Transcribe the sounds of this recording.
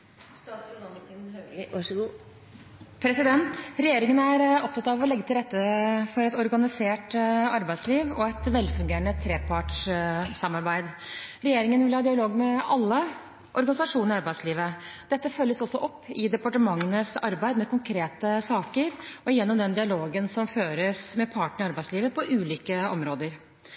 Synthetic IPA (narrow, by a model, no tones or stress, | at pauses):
st̪ɑːt̪sʊɡ̪ɑnənhø | pʰɾɛsɪd̪ɛnt̪ɾɛjeːɾɪŋənæɾɔp̚t̪ʰɑt̪ːɑʋɔlɛɡːət̪ʰɪlɾɛt̪ːəfɔɾɛt̪ɔɾɡɑnɪseːʈɑɾbæɪd̪sliːʋɔæt̪ʋɛlːfʉŋɡeːɾəɳət̪ʰɾeːpʰɑʈʂsɑmːɑɾbæɪd̪ɾɛjeːɾɪŋənʋɪlhɑːd̪ɪɑloːɡmɛɑlːə | ʔɔɾɡɑnɪsɑʂuːnəɾɪɑɾbæɪd̪sliːʋəd̪̥ɛt̪ːəfœlːəsɔsːɔʔɔpːɪd̪ɛpɑʈəmɑŋːənəsɑ̰ɾbæɪd̪mɛkʊŋkʰɾeːt̪əsɑːkəɾɔjɛnːɔmd̪ɛnd̪ɪɑloːɡənsɔmføːɾəsmɛpʰɑːʈəɳɪɑɾbæɪsliːʋəpʰɔʔʉːliːkəɔmɾoːd̪əɾ